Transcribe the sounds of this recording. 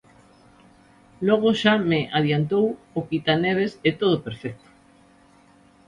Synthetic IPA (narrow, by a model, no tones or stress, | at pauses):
lɔɣ̞oʃameʔaðjant̪ow | okit̪aneβ̞eset̪oð̞opeɾfɛk̚t̪o̥